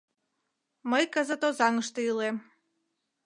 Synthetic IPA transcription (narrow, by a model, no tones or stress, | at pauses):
məjkazat̪ozɑŋəʃt̪ɤilˠe